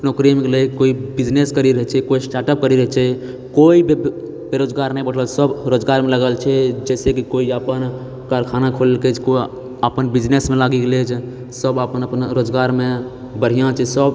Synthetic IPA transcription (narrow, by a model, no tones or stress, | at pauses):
əpnokɾiəmkeləkoibid͡ʒneskəɾiɾəɦɛt͡ʃʰɛkoisʈaʈəp̚kəɾiɾəɦɛt͡ʃʰɛ | koib | beɾod͡ʒɡaɾnəĩbəɽ̤əsəbɾod͡ʒɡaɾmeləɡəlt͡ʃʰɛd͡ʒɛsekikoiapən | kaɾkʰanakʰollkət͡ʃʰkoi | apənbid͡ʒnesmẽlaɡiklet͡ʃʰ | səbapənəpənɾod͡ʒɡaɾme | bəɽ̤ijãt͡ʃʰɛsəb